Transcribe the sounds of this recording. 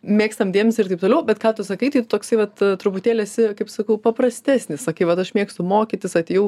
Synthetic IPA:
mʲeːkst̪ɐmd̪ʲeɛmʲsʲɪɾrt̪ɐɪp̚t̪oːlʲɛʊbʲɛt̪kɑːt̪ʊsɐkɐɪt̪ɐɪt̪ʊt̪oːksɐɪʋɐt̪t̪ɾʊpʊt̪ʲeːlʲeːsʲɪkɐɪpsɐkɐʊpɐpɾɐsʲt̪ʲæːsʲnʲɪssɐkɐɪʋɐt̪ɐʃmʲeːkst̪ʊmoːkʲɪtʲɪsɐtʲejɛʊ

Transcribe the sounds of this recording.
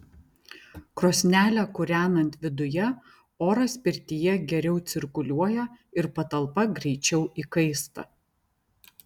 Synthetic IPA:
kɾoːsʲnʲæːlʲɛkʊɾʲæːnɐnʲt̪ʲʋʲɪd̪ʊjɛ | oːɾɐsʲpʲɪɾʲt̪ʲɪjɛɡʲɛɾʲɛʊt̪sʲɪɾkʊlʲuɔjɛɪɾpɐt̪ɐlˠpɐɡɾʲɛɪt͡ʃʲɛʊʔikɐɪst̪ɐ̰

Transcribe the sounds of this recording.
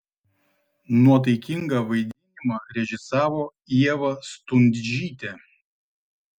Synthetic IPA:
nuɔt̪̬ɐɪkʲɪŋɡɐˑʋɐɪd̪ʲɪnʲɪmɐɾʲɛʒʲɪsɑːʋoː | iɛʋɐst̪ʊnʲd̪ʲd͡ʒʲiːt̪ʲɛ

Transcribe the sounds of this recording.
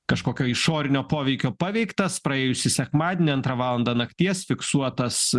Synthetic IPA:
kɐʃkoːkʲoːɪʃoːɾʲɪnʲoːpoːʋʲɛɪkʲoːpɑːʋʲɛɪkt̪ɐspɾɐeːjʊsʲɪsʲɛkmɑːd̪ʲenʲɪɐnt̪ɾɑʋɑːlˠɐnd̪ɐnɐkt̪ʲiɛsfʲɪksuɔt̪ɐs

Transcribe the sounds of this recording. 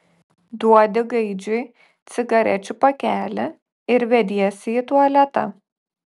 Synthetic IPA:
d̪uɔd̪ʲɪɡɐɪd͡ʒʲʊɪ | t̪sʲɪɡɐɾʲɛ̰t͡ʃʲʊpɐkʲæːlʲɪ | ɪɾʋʲɛd̪ʲiɛsʲɪit̪uɔlʲɛt̪ɐ̰

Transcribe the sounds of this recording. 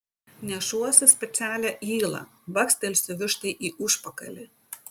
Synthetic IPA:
nʲɛʃuɔsʲɪsʲpʲɛt̪sʲæːlʲæʔiːlˠɐ̰ʋɐksʲt̪ʲɛlʲsʲʊʋʲɪʃt̪ɐɪʔiːʔʊʃpɐkɐ̰lʲɪ

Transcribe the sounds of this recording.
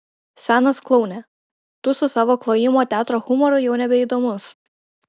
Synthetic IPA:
sʲæːnɐsklˠɒʊnʲɛ | t̪ʊsʊsɑːʋoːklˠoːjɪmoːt̪ʲæːt̪ɾoːxʊmɔɾʊjɛʊnʲɛbʲɛiˑd̪oːmʊs

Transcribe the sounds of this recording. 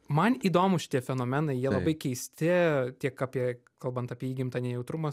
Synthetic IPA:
mɐniːd̪oːmʊʃʲɪ̥t̪ʲiɛfʲɛnoːmʲɛnɐɪjiɛllˠɐbɐɪkʲɛɪsʲt̪ʲɪt̪ʲiɛkapʲiɛ | kɐlˠbɐnt̪ɑːpʲiɛiːɡʲɪmt̪ɐnʲɛjɛʊt̪ɾʊmɐ

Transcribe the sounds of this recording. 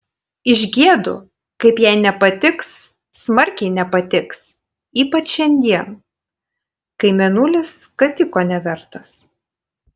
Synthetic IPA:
ɪʒʲɡʲiɛd̪ʊ̰ | kɐɪpjɛɪnʲɛpɐt̪ʲɪksː | mɐɾʲkʲɛɪnʲɛpɐt̪ʲɪks | iːpɐt͡ʃʃʲɛnʲd̪ʲiɛn | kɐɪmʲɛnuːlʲɪskɐt̪ʲɪkoːnʲɛʋʲɛɾt̪ɐs

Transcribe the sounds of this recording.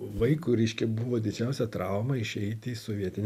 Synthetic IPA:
ʋɐɪkuːɾʲɛɪʃʲkʲɛbʊʋoːd̪ʲɪd͡ʒʲɛˑʊsʲɛt̪ɾɐˑʊmɐɪʃʲɛɪt̪ʲɪsoːʋʲiɛt̪ʲɪnʲ

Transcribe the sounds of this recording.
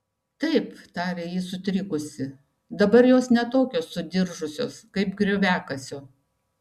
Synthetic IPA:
t̪ɐɪpt̪ɑːɾʲeːjɪsʊt̪ʲɾʲɪkʊsʲɪ | d̪ɐbɐɾjoːsnʲɛt̪oːkʲoːsʊd̪ʲɪɾʒʊsʲoːskɐɪpɡɾʲoːʋʲæːkɐsʲoː

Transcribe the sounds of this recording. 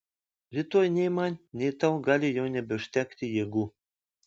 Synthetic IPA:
vʲit̪ojnʲemɑnʲːejt̪ɑwɡɑlʲijɤwnʲebʲɘ̆ʃt̪ʲækt̪ʲejeɡu

